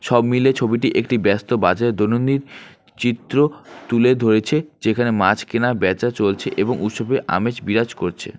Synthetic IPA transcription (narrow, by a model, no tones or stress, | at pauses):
ʃɔbmilet͡ɕʰobiʈ̬iʔekʈibɛst̪obad͡ʑaeɾd̪onond̪iɾ | t͡ɕit̪ːɾot̪uled̪ʱoɾet͡ɕʰed͡ʑekʰanemat͡ɕʰkinabɛt͡ɕat͡ɕolt͡ɕʰeʔeboŋut̪ʃɔbeʔa̰met͡ɕbiɾad͡ʑkoɾt͡ɕʰḛ